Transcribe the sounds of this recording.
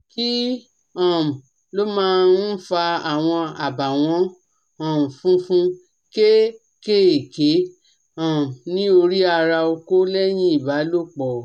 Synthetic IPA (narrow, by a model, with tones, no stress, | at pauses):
ki˦ | ɔ̃˨m̩˨ | lo˦mãː˦˧n̩˦fa˧a˨w̃ɔ̃˧a˨ba˨w̃ɔ̃˧˦ | ɔ̃˨m̩˨fũ˦fũ˦ | ke˦ | ke˦e˨ke˨˦ | ɔ̃˨m˨nĩ˦o˧ɾi˦a˧ɾa˧o˧ko˦lɛ˦j̃ĩ˦i˦˨ba˨˦lo˦˨k͡pɔ˨